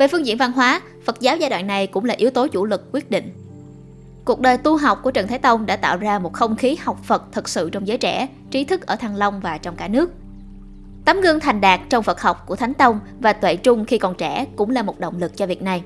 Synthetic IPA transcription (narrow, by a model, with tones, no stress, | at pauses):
ve˨˩fɨ˧ŋzḭ˧ənva˧nɦwaː˨˦ | fə˨˩t̚zaː˨˦wzaː˧jɗwa̰ː˧˨nna˨˩jkʊ̰˧˥ŋ͡mlaː˨˩ʔi˨˦əwt̪o˨˦t͡ɕu˧˩lɨ˨˩k̚ːwi˦˥ət̚ɗḭ˧˨ŋ̟ | ku˨˩ək̚ɗəː˨˩jt̪u˧ɦa˨˩wk͡p̚ku˧˩ət͡ɕə˨˩nt̪aː˨˦jt̪ə˧wŋ͡mɗa̰ː˧˥t̪a̰ː˧˨wzaː˧mo˨˩t̚xə˧wŋ͡mxi˨˦ha˨˩wk͡p̚fə˨˩t̚t̪ʰɨ˨˩k̚sɨ̰˧˨t͡ɕɔ˧wŋ͡mzəː˨˦jt͡ɕɛ˧˩ | t͡ɕi˨˦t̪ʰɨ˦˥k̚ʔəː˧˩t̪ʰaː˧˩ŋlə˧wŋ͡mvaː˨˩t͡ɕɔ˧wŋ͡mkaː˧˩nɨ˦˥ək̚ | t̪aː˨˦mɣɨ˧əŋt̪ʰa˨˩jŋ̟ɗaː˨˩k̚t͡ɕɔ˧wŋ͡mfə˨˩t̚hɔ˨˩wk͡p̚ku˧˩ət̪ʰa˨˦jŋ̟t̪ə˧wŋ͡m | vaː˨˩t̪wḛ˧˨t͡ɕʊ˧ŋ͡mxi˧kɔ˨˩nt͡ɕɛ˧˩kʊ̰˧˥ŋ͡mlaː˨˩mo˨˩t̚ɗo̰˧˨wŋ͡mlɨ˨˩k̚t͡ɕɔ˧vi˨˩ət̚na˨˩j